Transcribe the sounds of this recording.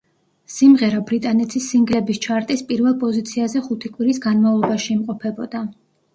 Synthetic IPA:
simʁɛɾabɾit̪ʼanɛt̪ʰisːiŋɡlɛbist͡ʃʰaɾt̪ʼispʼiɾvɛlˠpʼɔzit̪sʰiazɛχut̪ʰikʼwiɾisɡanmavlˠɔbaʃiːmqʼɔpʰɛbɔd̪a

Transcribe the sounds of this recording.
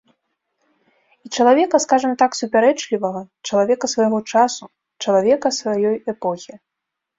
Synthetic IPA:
it͡ʂɐlˠavʲɛkɐskaʐɐmt̪aksupʲaɾɛt͡ʂlʲivɐɣɐ | t͡ʂɐlˠavʲɛkɐsvɐjɣɔt͡ʂasu | t͡ʂɐlˠavʲɛkɐsvajɔjɛpɔxʲi

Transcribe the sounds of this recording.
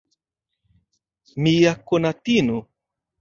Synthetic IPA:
mijakonat̪inu

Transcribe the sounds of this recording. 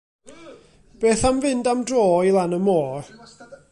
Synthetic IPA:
b̥eːθamvɪndamdroːilˠanəmoːr

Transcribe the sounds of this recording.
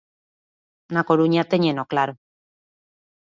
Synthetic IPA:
nakoɾuɲat̪eɲenoklaɾo

